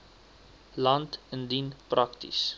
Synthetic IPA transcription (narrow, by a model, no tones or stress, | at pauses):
lɐntəndinprʔaktḭs